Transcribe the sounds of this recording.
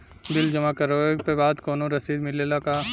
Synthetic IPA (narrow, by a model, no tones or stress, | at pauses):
bɪld͡ʒɐmakɐɾoeɡpebaːd̪kɔːnõɾɐsiːd̪mɪleːlaka